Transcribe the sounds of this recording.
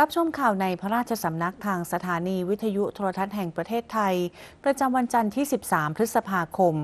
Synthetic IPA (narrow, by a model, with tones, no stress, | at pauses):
ɾa˦˥p̚t͡ɕʰo˧mkʰaː˨˩wna˧jpʰa˦˥ɾaː˥˩t͡ɕʰa˧sa˩˦mna˦˥k̚t̪ʰaː˧ŋsa˧t̪ʰaː˩˦niː˧wi˦˥t̪ʰːa˧ju˦˥t̪ʰoː˧ɾa˧t̪ʰa˦˥t̪̚ɦɛ˨˩ŋpɾa˧t̪ʰeː˥˩t̪ʰːa˧jpɾa˧t͡ɕa˧mwa˧nt͡ɕa˧nt̪ʰiː˥˩si˨˩p̚saː˩˦mpʰɾɯ˦˥t̪̚sa˧pʰaː˧kʰo˧m